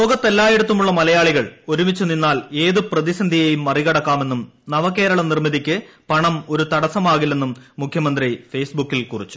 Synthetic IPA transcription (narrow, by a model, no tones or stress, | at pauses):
loːɣɐt̪ːelːaːjeɽut̪ːumuɭːɐmɐlɐjaːɭiɣɐɭo̞ɾumit͡ɕːuninːaːle̞ːðɨprɐðisɐnd̪ʱijejumːɐriɣɐɽɐkːaːme̞nːum | nɐʋɐkːe̞ːɾɐɭɐnirmiðikʲːɨ | pɐɳɐmo̞ɾut̪ɐɽɐsɐmaːɣilːe̞nːumːukʰjɐmɐnd̪rifeːsbukːilkurit͡ɕːu̥